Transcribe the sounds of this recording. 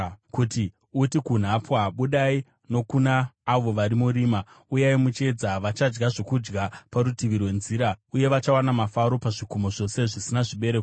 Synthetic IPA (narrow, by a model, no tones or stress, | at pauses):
kuti | utikun̤apwaɓuɗai | no̞kunaːʋo̞ʋaɾimuɾiːma | ujaimut͡ʃe̞d͡zaʋat͡ʃad͡ʒɡaʐo̞kud͡ʒɡapaɾutiʋirwe̞nziɾauje̞ʋat͡ʃawanamafaɾo̞paʐikumo̞ʐo̞se̞ʐisinaʐiɓe̞ɾeko